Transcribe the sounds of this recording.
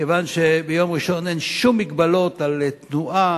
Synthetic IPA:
evanʃebejo̞mʁiʃo̞nenʃumːiɡbalo̞t̪alet̪nuʔa

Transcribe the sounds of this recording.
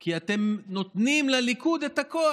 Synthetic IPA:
kiat̪e̞mno̞t̪nimlalikud̪et̪akoa

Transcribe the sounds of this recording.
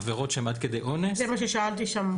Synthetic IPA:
veʁot̪ʃeemad̪̚ked̪ejʔonesemaʃeʃaalt̪iʃam

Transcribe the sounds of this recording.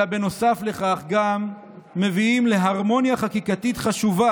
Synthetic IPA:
abe̞no̞safle̞χaχɡamː | e̞viimle̞ɦaʁmo̞njaχakikat̪it̪χaʃuva

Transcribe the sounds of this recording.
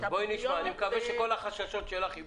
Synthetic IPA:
boiniʃmaːnimekavɛʃeko̞laχaʃaʃo̞tʃelaχi

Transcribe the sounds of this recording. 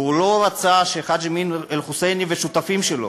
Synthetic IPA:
ulo̞ɾat͡saʃeχad̪d͡ʒeminelχuseniveʃut̪afimʃelo̰

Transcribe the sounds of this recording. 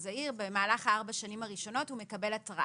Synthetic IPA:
zaiʁbe̞maːlaχaaʁbaʃanimaʁiʃo̞no̞thume̞kɐbe̞latʁa

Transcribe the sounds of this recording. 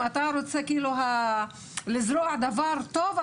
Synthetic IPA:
at̪aɾot͡sekiːluɦa | lɪzɾoaʕd̪avaɾt̪ov

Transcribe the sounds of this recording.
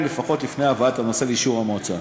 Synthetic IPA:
nlefaχo̞tlifne̞avaatano̞se̞leiʃuʁamot͡sa

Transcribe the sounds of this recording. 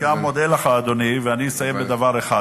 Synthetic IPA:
ɡamːod̪elaχaːd̪o̞niveaninisajembed̪avaʁeχa

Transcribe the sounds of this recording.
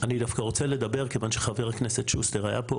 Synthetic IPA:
anid̪afkaʁo̞t͡seled̪abe̞ʁkevanʃeχaveʁhakneset̪ʃust̪eʁaja̰po

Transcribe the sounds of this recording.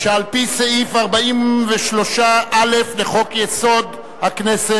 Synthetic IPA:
ʃealpiseifaʁbaimveʃlo̞ʃaʔalefleχo̞kjeso̞d̪ | haknese

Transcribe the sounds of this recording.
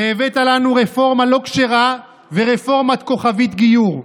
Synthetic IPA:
eːvet̪alanuʁefo̞ʁmalo̞kʃeʁa | veʁefo̞ʁmat̪̚ko̞χavit̪ɡijuʁ

